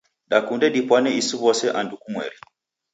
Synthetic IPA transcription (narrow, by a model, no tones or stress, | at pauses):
ɗakundɛɗipwanɛisuβɔsɛʔandukumwɛ̰li